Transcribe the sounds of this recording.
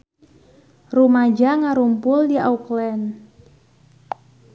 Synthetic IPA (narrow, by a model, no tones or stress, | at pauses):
rumad͡ʒaŋaɾumpʊldiauklɛn